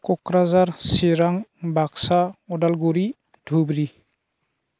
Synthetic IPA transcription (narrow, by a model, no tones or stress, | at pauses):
kɔkɾazaɾsiɾaŋbaksaɔdalɡuɾi | dʱubɾi